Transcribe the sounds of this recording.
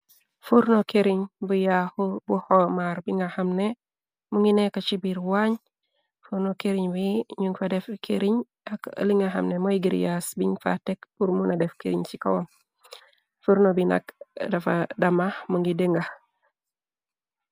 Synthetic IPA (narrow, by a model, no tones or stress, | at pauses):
fuɾnokeɾiɲbujahubuhomaɾbiŋahamne | muŋɡinekat͡ʃibiɾwaɲ | fuɾnokeɾiɲwiɲuŋɡfadefkʰḛɾiɲ | akə̰liŋaɦa̰mnemojiɡiɾ̰jasbiɲfa̰tekpuɾmunadefkḛɾḭɲt͡ʃikawom | fuɾnobina̰kdafadamamuŋɡideŋɡa